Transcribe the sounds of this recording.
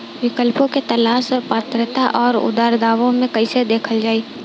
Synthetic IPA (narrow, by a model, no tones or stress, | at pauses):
ʋɪkəlpõket̪ɐlaːʃpaːt̪ɾət̪aʔɔːɾʊ̰d̪aːɾd̪aːʋõmẽkɐised̪eːkʰəld͡ʒaːiː